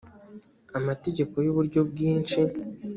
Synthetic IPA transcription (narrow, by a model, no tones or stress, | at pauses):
amate̞ɟe̞ko̞juβuɾɟo̞b̚ɡiːnt͡ʃi